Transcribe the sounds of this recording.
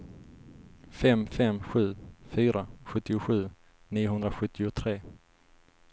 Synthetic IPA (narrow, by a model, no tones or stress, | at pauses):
fɛmfɛmɧʉ̟ːfyːɾaɧɵt̪ːɪʊɧʉ̟ː | niːʊɦɵnd̪ɾaɧɵt̪ʰːɪʊt̪ʰɾeː